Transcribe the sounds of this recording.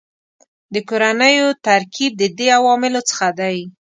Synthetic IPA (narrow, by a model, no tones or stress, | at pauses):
d̪əkoɾanəjot̪aɾkib̚d̪əd̪eawɑmɪlot͡sə̥xad̪aj